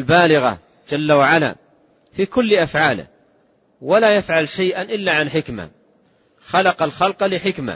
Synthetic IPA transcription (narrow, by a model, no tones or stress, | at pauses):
lbaːlɪɣa̰ | d͡ʒalːawaʕala̰ː | fiːkʊlːʔafʕaːlɪ̰h | walaːjafʕalʃajʔanʔɪlːaʕanħɪkma̰ | xalɑqɑlxɑlqlɪħɪkma̰